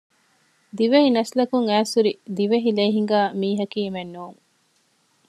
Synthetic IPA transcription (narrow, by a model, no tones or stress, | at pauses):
d̪iʋehinɐslɐkuŋæːsuɾid̪iʋeɦileːɦiŋ̆ɡaːmiːɦɐkiːmenːuːŋ